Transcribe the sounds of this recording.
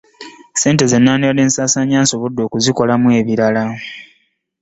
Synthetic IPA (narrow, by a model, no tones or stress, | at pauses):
se̞ːnte̞ze̞nːaːnele̞ːnsaːsaɲaːnso̞βodːo̞ːkuziko̞lamwe̞ːβiɾala